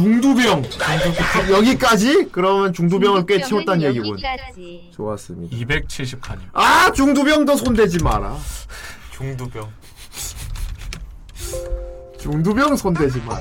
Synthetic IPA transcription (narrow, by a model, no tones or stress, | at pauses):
t͡ɕuŋdubjʌŋuŋʰʌjʌɡik͈ad͡ʑikɯɾʌmjʌnt͡ɕuŋdubjʌŋɯɭk͈e̞t͡ɕʰimot͈̚anje̞ɡiɡun | t͡ɕoas͈ɯmɲḭdaibek̚t͡ɕʰiɭɕ̬ʰip̚kʰaɲiat͡ɕuŋdubjʌŋdʌsʰondwe̞d͡ʑima̰ɾa̰ | t͡ɕuŋdubjʌŋ | t͡ɕuŋdubjʌŋsʰondwe̞d͡ʑima̰ɾ